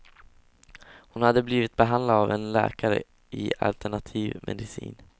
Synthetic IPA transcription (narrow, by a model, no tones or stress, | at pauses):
hʊnhad̪ːəbliːvɪt̪̚bɛɦand̪lad̪avɛnlɛ̰ːkaɾə | ɪa̰lt̪ɛɳat̪ʰiːvmʔɛ̰d̪ɪsḭːn